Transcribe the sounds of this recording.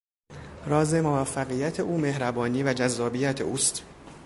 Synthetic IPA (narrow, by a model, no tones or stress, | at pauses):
ɾɒːze̞movæfːæɣiːjæt̪ʰe̞ʔuːme̞hɾæbɒːniːvæd͡ʒæzːɒːbijæt̪ʰḛʔuːst̪